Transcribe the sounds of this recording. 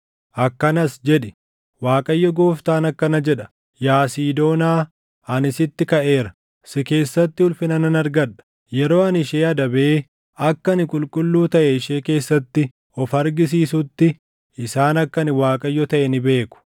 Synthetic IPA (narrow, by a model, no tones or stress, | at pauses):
ʔɐkːɐnɐsd͡ʒɛᶑɪ | waːkʼɐjːɔɡo̞ːft̪aːnɐkːɐnɐd͡ʒɛᶑɐ̥ | jaːsiːd̪o̞ːnaː | ɐnɪsɪt̪ːɪkɐʔe̞ːɾɐ̥ | sɪke̞ːsːɐt̪ːɪʊlfɪnɐnɐnɐɾɡɐᶑɐ̥ | jɛɾo̞ːɐnɪʃe̞ːɐd̪ɐbe̞ː | ɐkːɐnɪkʼʊlkʼʊlːuːt̪ɐʔɛɪʃeːke̞ːsːɐt̪ːɪ | ɔfɐɾɡɪs̬iːsʊt̪ːɪ | ɪsaːnɐkːɐnɪwaːkʼɐjːɔt̪ɐʔɛnɪbe̞ːkʊ̥